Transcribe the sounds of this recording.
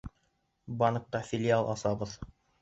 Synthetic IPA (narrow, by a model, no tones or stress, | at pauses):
bɑnɤ̆q̚t̪ɑfʲɪlʲɪalˠʔɑsɑbɤð